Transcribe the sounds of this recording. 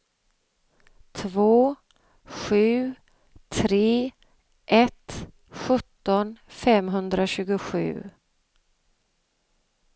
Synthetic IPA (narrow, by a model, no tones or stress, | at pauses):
t̪ʰvoː | ɧʉ̟ː | t̪ʰɾeː | ʔɛt̪ | ɧɵt̪ːɔnfɛmɦɵnd̪ɾaɕʉ̟ːɡʊɧʉ̟̰ː